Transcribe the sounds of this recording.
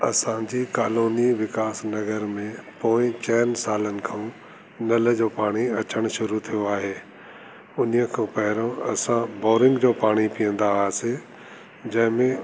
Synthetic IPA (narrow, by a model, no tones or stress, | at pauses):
ɐsãd͡ʑiːkaːloːniʋɪkaːsnɐɣəɾmẽpoːɪ̃t͡ɕɛːnsaːlənɪ̆kʰãũ | nɐləd͡ʑoːpaːɽ̃iɐt͡ɕəɽ̃ʃʊɾut̪ʰijoaːɦeː | ʊnijəkʰãːpɐɦɪɾõɐsãbɔːɾɪ̃ŋɡd͡ʑoːpaːɽ̃ipijə̃nd̪aaːse | d͡ʑɐ̃ɦɪ̃mẽ